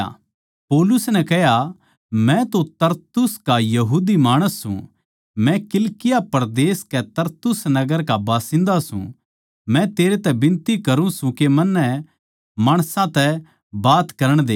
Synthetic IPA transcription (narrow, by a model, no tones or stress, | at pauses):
poːlʊsnɛ̃kɛɦja | mɛ̃t̪ot̪ɐɾt̪ʊskajɐɦuːd̪imaːɽ̃əsːṵ̃ | mɛ̃kɪlkɪjapɐɾd̪eːskɛt̪ɐɾt̪ʊsnɐɡəɾkabaːsɪ̃nd̪asṵ̃ | mɛ̃t̪eːɾet̪ɛbɪ̃nt̪ikɐɾũsũkemɐnːɛ | maːɽ̃sãt̪ɛ | baːt̪kɐɾəɽ̃d̪ḛː